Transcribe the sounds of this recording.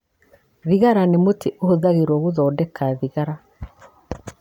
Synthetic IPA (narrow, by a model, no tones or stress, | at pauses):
ðiɣaɾanemotʰeʔohoðaɣeɾwɔɣoðɔːdɛkaðiɣaɾa